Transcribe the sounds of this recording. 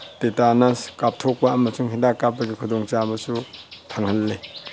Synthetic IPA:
tetanɐskap̚tʰok̚pɐɐmɐsuŋɦindakːap̚pːɐɡikʰudoŋt͡ʃabɐsutʰɐŋhɐlːe

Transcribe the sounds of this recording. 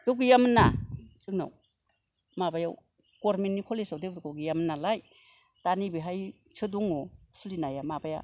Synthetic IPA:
d̥uɡijamnːasɯŋna̰w | mabajaw | koɾmennikʰɔlesawdebɾkawɡijamnːalaj | tanibiɦaj | t͡ʃʰɯduŋosulinajamabaja̰

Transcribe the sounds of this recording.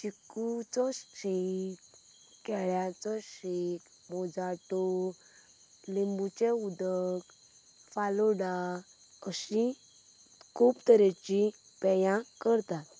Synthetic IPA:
t͡ɕikut͡sɔɕikː | ɛɭjat͡sɔɕik | mɔd͡zaʈɔ | limbut͡ɕeud̪ək | falɔɽa | əɕi | kʰupt̪əɾet͡ɕi | pɛjãkəɾt̪at̪

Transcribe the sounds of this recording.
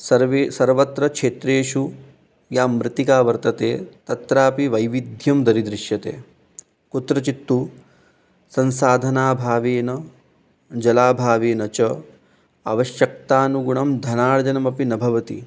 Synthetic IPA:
sɐɾʋesɐɾʋɐt̪ɾɐkʂeːt̪ɾeːʂu | jaːmɾɪt̪ikaːʋɐɾt̪ɐt̪eːt̪ɐt̪ɾaːpiʋɐjʋid̪ʱjɐmd̪ɐɾid̪ɾiʃjɐt̪ḛː | kut̪ɾɐt͡ʃit̪ːu | sɐnsaːd̪ʱɐnaːbʱaːʋeːnɐ | d͡ʒɐlaːbʱaːʋeːnɐt͡ʃɐ | ɐʋɐʃjɐk̚t̪aːnuɡuɳɐmd̪ʱɐnaːɽɐd͡ʒɐnɐmɐpinɐbʱɐʋɐt̪ḭ

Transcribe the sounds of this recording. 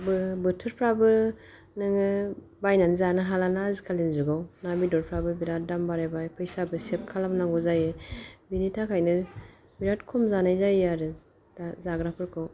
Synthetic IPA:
bɯbɯtʰɯɾpʰɾabɯ | nɯŋɯ | bajnanzanɯɦalanaazikʰalenzuɡawnabidɔɾpʰɾabɯbiɾat̚dambaɾabajpʰɯjsabɯsep̚kʰalamnaŋɡɔzajebinitʰakʰajnɯ | biɾatkʰɔmzanajzajeaɾɯ | zaɡɾapʰɯɾkʰɯw

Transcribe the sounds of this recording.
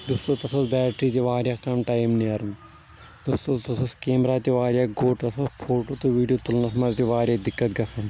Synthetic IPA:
d̪ust̪ot̪ɐt̪sʰɐsbaːʈɾiːt̪iʋaːɾʲjaːkɐmʈaːjmniɐɾn | d̪ust̪ot̪ɐsʰɐskeːmɾaːt̪iʋaːɾjaːɡoːʈt̪ɐt̪ʰɐspʰoːʈoːt̪uʋiːɖijoːt̪ulnɐsmɐzt̪iʋaːɾʲjaːd̪ɪkːɐt̪ɡɐsɐn

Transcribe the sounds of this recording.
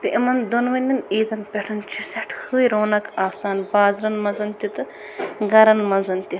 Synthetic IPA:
t̪ɨʔimɐnd̪onʋɐnʲːɐniːd̪ɐnpʲɛʈʰɐnt͡ʃʰisɐʈʰhɨːjɾoːnɐkaːsaːnbaːzɾɐnmɐzɐnt̪ʲit̪ɨ | ɡɐɾɐnmɐnzɐnt̪ʲi

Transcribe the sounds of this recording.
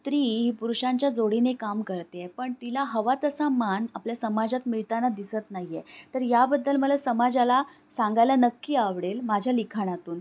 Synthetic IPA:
t̪ɾiːɦiːpuɾuɕaɲt͡ɕjad͡zoɽinekamkəɾt̪eepəɳt̪ilaɦəʋat̪əsamanapljasəmad͡zat̪miɭt̪anad̪isət̪naɦijet̪əɾjabəd̪ːəlməlasəmad͡zala | sãŋɡajlanəkːiaʋɽelmad͡ʑʱjalikʰaɽ̃at̪uːn

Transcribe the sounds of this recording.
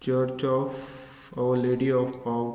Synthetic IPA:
t͡ʃəɾt͡ʃɔf | aəɾleːɖiɔfpaʊ

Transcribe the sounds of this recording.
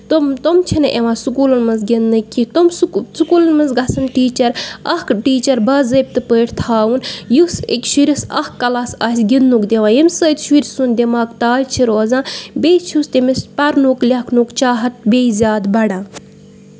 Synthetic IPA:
t̪omt̪omt͡ʃʰinɨʔeʋãːsukuːlɐnmɐnzɡʲinːɨkːit̪omssukuːlɐnmɐnzɡɐsɐnʈiːt͡ʃɐɾɐhkʈiːt͡ʃɐɾbɐzɐp̚ʲt̪ɨpəːʈʰt̪ʰaːwunjusḭkʲʃuɾʲisɐ̰hkːɐlasɐsʲɡinːukd̪ʲeʋãːjimsəːt̪ʲʃuɾʲsund̪ʲimaːkt̪aːjt͡ʃʰiɾoːzãːbʲejt͡ʃʰust̪emispɐɾnuklʲɐkʰnukt͡ʃaːɦɐt̪̚bʲejzʲaːd̪bɐɽãː

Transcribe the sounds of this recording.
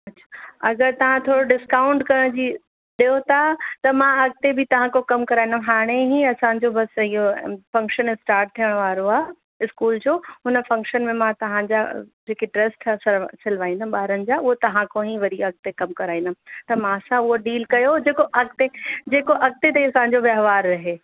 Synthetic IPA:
ɐtːɕʰḁɐɡəɾt̪ɐʋ̤ãt̪ʰoːɽoɖɪskaːʊ̃ɳɖkɐɽ̃d͡ʑiː | ɗijot̪ʰat̪ɐmãɐɡ̚t̪ebʱɪt̪ɐʋ̤ãkokɐmkɐɾaːĩnd̪ɦaːɽ̃eɦĩɐsãɲd͡ʑobɐsɪɦofɐ̃ŋkʃənɪsʈaːɾʈ̚t̪ʰijəɽ̃ʋaːɾoaː | ɪskuːld͡ʑoːɦʊnəfɐ̃ŋkʃənmẽmãt̪ɐʋ̤ãɲd͡ʑad͡ʑeːkeʈɾɐsʈsɐsɪlʋaːĩnd̪əɓaːɾənɪ̆d͡ʑaːʊɦot̪ɐʋãkoɦĩʋɐɾiɐɡ̚t̪ekɐmkɐɾaːĩnd̪əmt̪ɐmãɐsãʊɦoɖiːlkɐjod͡ʑeːkoʔɐɡ̚t̪ed͡ʑeːkoʔɐɡ̚t̪et̪ɐĩɐsãɲ̆d͡ʑoʋɐɦʋaːɾːɐɦeː

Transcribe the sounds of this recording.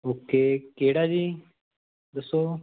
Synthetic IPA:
oːkeːkeːɽaːd͡ʒiː | d̪əsoː

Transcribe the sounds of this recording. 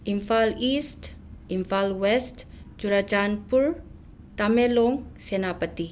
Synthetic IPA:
ʔiɱfalist̪ | iɱfalwɛst̪ | d͡ʒuɾad͡ʒanpur | t̪ameloŋsenapət̪i

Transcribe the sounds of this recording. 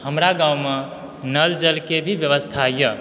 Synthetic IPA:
həmɾaɡãwme | nəld͡ʒəlkebʱibjəʋəst̪ʰajə

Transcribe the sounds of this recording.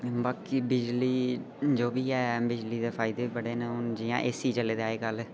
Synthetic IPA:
baːkiːbɪd͡ʒliː | d͡ʒoːbiːɛːbɪd͡ʒliːd̪eːpʰaːɪd̪eːibəɽeːneːʊnd͡ʒijã̰ːʔesiːt͡ʃəleːd̪eːaːeːkəl

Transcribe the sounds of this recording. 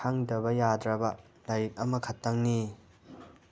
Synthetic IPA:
aŋdɐbɐjadɾɐbɐ | lajik̚ɐmɐkʰɐtːɐŋni

